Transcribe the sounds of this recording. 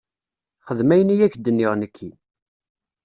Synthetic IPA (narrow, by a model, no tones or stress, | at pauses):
χəðmæjənijæçd̪ːənːɪʁnəkʰːi